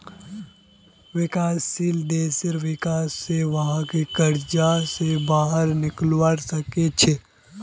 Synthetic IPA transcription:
ʋɪkaːsːiːld̪eːsɪɾʋɪkaːsːeʋɐɦãkikəɾd͡ʒasebaːɦəɾnɪklwəɽsɐket͡ʃʰe

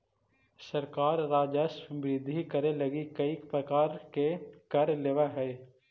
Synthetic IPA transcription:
sɐɾkaːɾːaːd͡ʒəsbɾɪd̪ʱikəɾelɐɡikɐikpɾəkaːɾkekɐɾleːʋaɦɛː

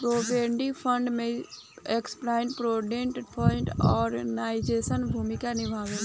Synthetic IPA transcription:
pɾoːbeːɳɖipʰəɳɖmẽ | eksplaːɪ̃ɳʈpɾoːɖeːɳʈpʰɔːɪ̃ɳʈɔːɾnaːɪd͡ʒeːsənbʱuːmɪkanɪbʱaːʋen

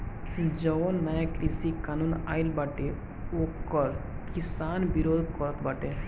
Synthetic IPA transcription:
d͡ʒɔonmaakɾisikaːnuna̰ːilbaʈe | okːɔɾkisaːnbiɾoːd̪ʱkɔɾət̪ʰbaʈe

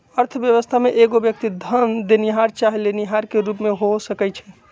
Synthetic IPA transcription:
əɾt̪ʰəbjəʋəst̪ʰameʔeɡobjək̚t̪id̪ʱənd̪eniɦaɾt͡ʃaɦileniɦaɾkeɾupmeɦosəkɛjt͡ʃʰɛ

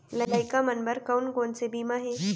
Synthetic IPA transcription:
lələjkamənbəɾkəwnɡont͡sebiːmaɦe

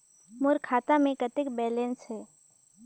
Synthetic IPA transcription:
mʊɾkʰaːt̪amẽkət̪ɪkbɛːlensɦɛː

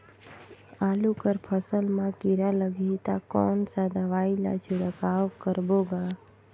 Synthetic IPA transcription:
aːlukəɾpʰəsəlmãkiɾaləɡʱit̪akɔːnsad̪əʋaːila̰t͡ʃʰuɽəkaːʋkəɾbobaː

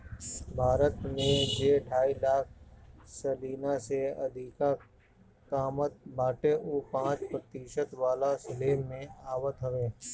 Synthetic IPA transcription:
bʱaːɾət̪mẽd͡ʒeːɖʱaːilaːk̚ʰsəliːnaseəd̪ʱiːka | kaːmət̪̚bʱaːʈeʔuːpãːt͡ʃpɾət̪iːʃət̪ʋaːlasɪleːmːẽaːʋət̪ɦəʋeː

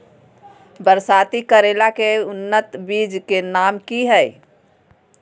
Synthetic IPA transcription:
bəɾsaːt̪ikəɾeːlakeʊnːət̪biːd͡ʒkenaːmkiɦɛɪ

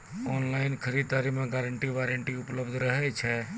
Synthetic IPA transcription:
ɔːnlaɪnkʰəɾid̪̚t̪aɾimeɡaɾəɳʈiʋaɾəɳʈiupləbd̪ʱɾəɦɛt͡ʃʰɛ

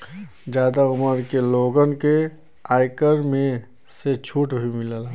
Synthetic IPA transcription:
d͡ʒjaːd̪aʊməɾkeloːɡənke | aːjkəɾmẽ | set͡ʃʰuːʈbʱimɪləla

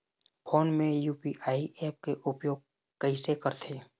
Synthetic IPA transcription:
pʰoːnmẽjuːpiʔaːiʔɛːp̚keʔʊpjoːɡ̚ | kəĩsekəɾt̪ʰeː

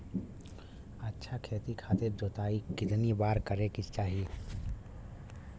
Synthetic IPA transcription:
ɐtːʃʰakʰeːt̪ikʰaːt̪ed͡ʒoːt̪aːikɪt̪nibaːɾkɐɾekɪst͡ʃaːɦie

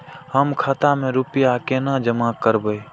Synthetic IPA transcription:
həmkʰat̪amẽɾupɪjakenad͡ʒəmakəɾbəe

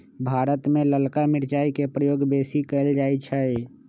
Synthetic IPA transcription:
bʱaːɾət̪mẽləlkamɪɾt͡ʃaːikepɾəjoːɡbeːsikəɪld͡ʒaːjt͡ʃʰɛ

